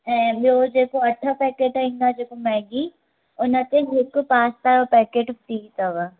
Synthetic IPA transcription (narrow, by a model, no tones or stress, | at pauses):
ɛ̃boːd͡ʒeːkoɐʈʰːapɛːkeːʈaĩŋɡ̪ad͡ʒeːkomɛ̃ːɡiː | ʊnãt̪eɦekopaːst̪aːɾapɛːkeːʈt̪iːt̪aʋa